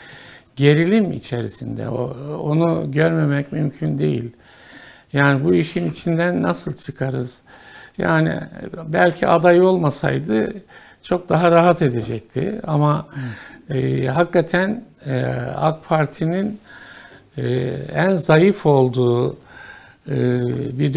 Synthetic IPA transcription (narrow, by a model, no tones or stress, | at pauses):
ɟe̞ɾilʲimḭt͡ʃʰe̞ɾḭsind̪ɛ̰oonuɟøɾme̞mɛcmymcʰynd̪e̞̰jḭlʲ | jaːnibuiʃinit͡ʃʰind̪ænːasɯlˠt͡ʃʰɯkʰaɾɯz̥ | ja̰ːnḭbælʲcʰiʔad̪ajo̞lˠmasa̰jd̪ɯ | t͡ʃʰo̞k̚d̪aɦaɾaɦat̪e̞d̪e̞d͡ʒɛc̚t̪ʰɪ̰ama | ɦakːat̪ʰæn | a̰kpʰaɾt̪ʰinin | ænzajɯfo̞lˠd̪uː | ɯbid̪